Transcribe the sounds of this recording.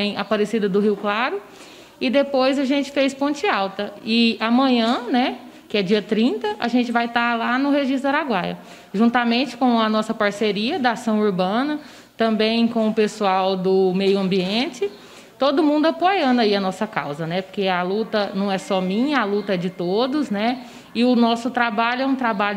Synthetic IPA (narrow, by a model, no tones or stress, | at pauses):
ẽj̃apaɾesid̪ɐd̪ʊɦiwklaɾʊ | ɪd̪epojzɐʒẽnt͡ʃɪ̥fejspõnt͡ʃɪawt̪ɐɪamɐ̃ɲɐ̃nɛ | kɪɛd͡ʒiɐt̪ɾĩnt̪ɐʔa̰ʒẽnt͡ʃɪvajt̪alanʊɦeʒist̪ɐɾaɡwajɐ̰ | ʒũnt̪amẽnt͡ʃɪ̥kõɐnɔsɐpaɾseɾiɐd̪ɐasɐ̃w̃uɾbɐ̃nɐ | t̪ɐ̃mbẽj̃kõʊpesuawd̪ʊmejʊɐ̃mbiẽt͡ʃɪ | t̪od̪ʊmũnd̪ʊapojɐ̃nd̪ɐiɐnɔsɐka̰wzɐnɛpo̥ɾkealut̪ɐnɐ̃w̃ɛsɔmĩɲɐalut̪ɐɛd͡ʒɪt̪od̪ʊsnɛ | ɪʊnɔsʊt̪ɾabaʎʊɛũt̪ɾabaʎʊ